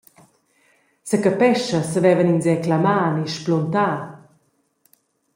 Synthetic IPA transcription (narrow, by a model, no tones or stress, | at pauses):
səkapɛʃɐsəvɛvəninzɛklamaːniʃplɔnt̪aː